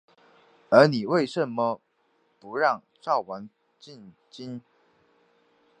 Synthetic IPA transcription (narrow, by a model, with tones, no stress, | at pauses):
ə˞˧˥ni˨˩we˥˩ɪʂə˨˦nmə˦ | pu˧˥ɻɑ˥˨ŋ | ʈ͡ʂɑ˥˩ʊwa˧˥n | t͡ɕi˥˨n | t͡ɕi˥n